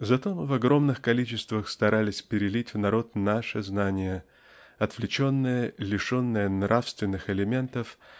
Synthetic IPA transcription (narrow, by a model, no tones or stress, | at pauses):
zɐt̪o̞mɨvɐɡɾo̞mnɨxkɐlʲit͡ɕɪst̪vəxst̪ɐɾʔalʲɪsʲpʲɪɾʲɪlʲitʲvnɐɾo̞t̪naʂɨznanʲɪjə | ɐt̪vlʲɪt͡ɕo̞nːəjəlʲɪʂo̞nːəjənɾʔafst̪vʲɪnːɨxɪlʲɪmʲe̞nt̪əf